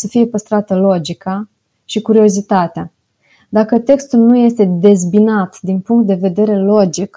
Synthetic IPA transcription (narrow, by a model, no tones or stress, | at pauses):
səfije̞pəst̪ɾat̪əlo̞d͡ʒika | ʃikuɾio̞zit̪at̪ea | d̪akət̪e̞kst̪ulnuje̞st̪e̞d̪e̞zbinat̪d̪inpuŋkt̪̚d̪e̞ve̞d̪e̞ɾe̞lo̞d͡ʒik